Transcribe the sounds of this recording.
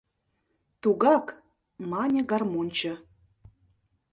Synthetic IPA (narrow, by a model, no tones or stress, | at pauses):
t̪uɣɑk | mɑnʲə̆ɡɑrmonʲt͡ɕə̆